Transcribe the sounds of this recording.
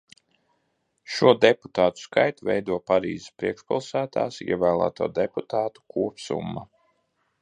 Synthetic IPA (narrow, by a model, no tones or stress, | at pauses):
ʃuɔd̪ɛpu̥t̪aːt̪u̥skajt̪uvɛjd̪uɔpaɾḭːzɪspɾiɛkʃpalˠsæːt̪a̰ːsḭɛvæːlˠa̰ːt̪uɔd̪ɛput̪aːt̪u̥kuɔpsṵmːa